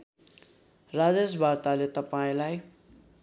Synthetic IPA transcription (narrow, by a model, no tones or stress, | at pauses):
rad͡zesbʱart̪alet̪ʌpaĩlaj